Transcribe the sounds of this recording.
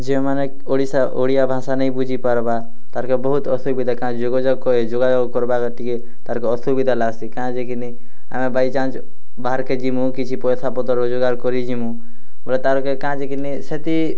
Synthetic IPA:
d͡ʒemanekoɽisaʔoɽijabʱãːsanəĩbud͡ʒʱipəɾba | t̪aɾkebəɦut̪ɔsubid̪ʱakãd͡ʒoɡod͡ʒɔɡkɔed͡ʒoɡad͡ʒɔɡkɔɾbakeʈike | t̪aɾkeɔsubid̪ʱalaɡsikaãd͡ʒekʰini | a̰mẽbait͡ʃãːt͡ʃ | baəɾked͡ʒimũkit͡ʃʰipɔjsapɔt̪ɔɾod͡ʒuɡaɾkɔɾid͡ʒimũ | bəlt̪aɾkekaãd͡ʒekiniset̪i

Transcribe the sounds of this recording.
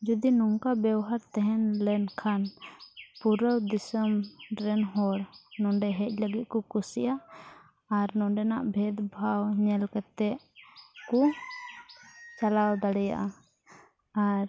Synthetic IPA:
d͡ʒɔd̪inɔŋkabɛwɦaɾt̪ɛɦɛnlɛnkʰan | puɾəwd̪isəmɾɛnɦɔɽnɔɖɛɦɛc̚ˀləɡit̪̚kɔkusiʔaː | ɾnɔ̃ɖɛnaʔbʱɛd̪bʱawɲɛlkɛt̪ɛʔ | ku | t͡ʃalawd̪aɽɛja̰ʔa | aɾ

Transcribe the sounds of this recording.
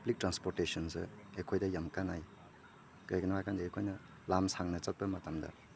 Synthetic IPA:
plik̚tɾanspoɾtesɔnsɯ̰ekʰojdɐjamkanaj | kajkɐnawajkandɐekʰojnɐ | lamsaŋnɐt͡sɐt̚pɐmɐtamdɐ̰

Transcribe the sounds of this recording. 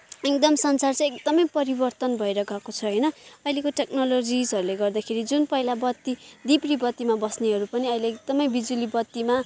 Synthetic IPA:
ek̚d̪ʌmsʌnt͡sart͡sʌ̃ek̚d̪ʌmʌjpʌɾibʌrt̪ʌnbʱʌeɾʌɡʌkot͡sʰʌɦʌjnʌʌilekoʈeknolod͡zisɦʌɾuleɡʌrd̪akʰeɾid͡zunpʌɦilabʌt̪ːid̪ibribʌt̪ːimabʌsneɦʌɾupʌniʌileek̚d̪ʌmʌjbid͡zulibʌt̪ːima

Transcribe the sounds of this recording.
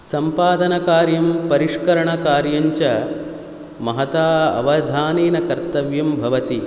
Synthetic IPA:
sɐmpaːd̪ɐnɐkaːɾjɐmpɐɾiʂkɐɾɐɳɐkaːɾjɐɲt͡ʃɐ | mɐɦɐt̪aːɐ̰ʋɐd̪ʱaːniːnɐkɐɾt̪ɐʋjɐmbʱɐʋɐt̪i

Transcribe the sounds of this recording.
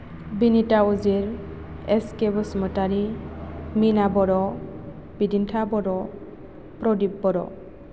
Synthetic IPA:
binitauziɹ | eskebɔsmɔtaɾi | minabɔɾɔ | b̥idintʰabɔɾɔ | pɾɔdib̚bɔɾɔ̰

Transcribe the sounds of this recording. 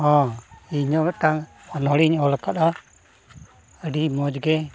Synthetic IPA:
ɦɔ̃iɲɔmɛʈaŋ | ɔnɔɽiɲɔlakaɗa | əɖimɔd͡ʒɡɛ

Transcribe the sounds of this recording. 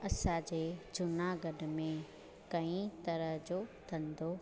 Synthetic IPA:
ɐsãd͡ʑeːd͡ʑʊnaɡəɖmẽ | kɐĩt̪ɐɾəɦd͡ʑoːt̪ʰɐ̃nd̪oː

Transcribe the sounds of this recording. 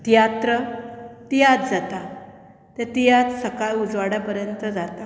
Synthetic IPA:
t̪ijat̪ɾət̪ijat̪d͡zat̪a | t̪et̪ijat͡s̪səkajud͡zʋaɽapəɾjənt̪əd͡zat̪a

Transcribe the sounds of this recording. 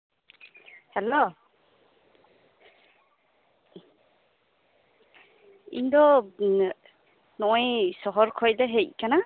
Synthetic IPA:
hɛlo | ḭnd̪ɔ | nɔɔjsɔɦɔɾkʰɔjdaɦeckana

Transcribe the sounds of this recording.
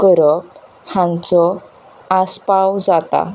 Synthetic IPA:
ɡəɾɔp̚ | hãnt͡sɔ | aspawd͡zat̪a̰

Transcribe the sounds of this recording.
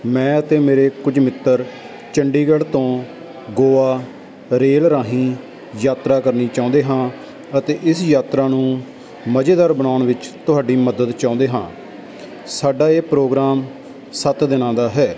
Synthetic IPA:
mɛ̃ːət̪eːmeːɾeːkʊd͡ʒmɪt̪ːəɾ | t͡ʃəɳɖiːɡəɭt̪õː | ɡoːaː | ɾeːlɾaːɦĩː | jaːt̪ɾaːkəɾniːt͡ʃaːõnd̪eːɦãː | ət̪eːʔɪsjaːt̪ɾaːnũː | məd͡ʒeːd̪aːɾbənaːʊɳʋɪt͡ʃt̪ʊɦaːɖiːməd̪əd̪t͡ʃãːʊ̃nd̪eːɦãː | saːɖaːeːpɾoːɡɾaːm | sət̪d̪ɪnãːd̪aːɦɛː

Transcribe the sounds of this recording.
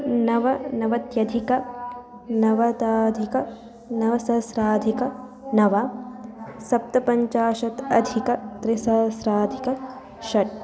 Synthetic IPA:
nɐʋɐnɐʋɐt̪jɐd̪ʱikɐ | nɐʋɐt̪aːd̪ʱikɐ | nɐʋɐsɐsɾaːd̪ʱikɐ | nɐʋa | sɐp̚t̪ɐpɐɲt͡ʃaːʃɐt̪ɐd̪ʱikɐt̪ɾisɐːsɾaːd̪ʱikɐ | ʃɐʈ̚

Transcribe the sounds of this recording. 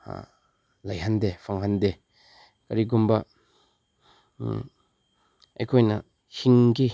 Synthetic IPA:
lɐjɦɐndepʰɐŋɦɐnde | kɐɾiɡumbɐ | ɐ̰jkʰojnɐ | hiŋɡi

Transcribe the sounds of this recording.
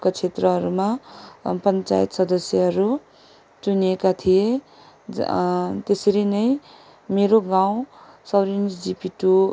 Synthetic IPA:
kat͡sʰet̪rʌɦʌɾumapʌnt͡sa̰jit̪sʌd̪ʌsjʌɦʌɾu | t͡suniekat̪ʰije | t̪esʌɾinʌj | meɾoɡaw̃ | sʌwɾind͡zd͡zipiʈu

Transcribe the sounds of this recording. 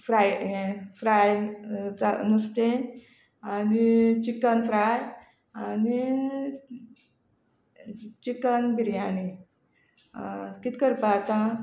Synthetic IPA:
fɾajfɾajd͡zanust̪en | anit͡ɕikənfɾaj | ani | t͡ɕikənbiɾjani | kit̪kəɾpat̪ã

